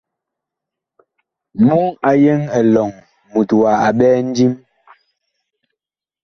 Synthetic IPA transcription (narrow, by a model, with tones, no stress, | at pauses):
mu˦ŋa˨jɛ˦ŋɛ˨lɔ˨ŋ | mu˨twa˨a˨ɓɛː˦n̩˦di˦m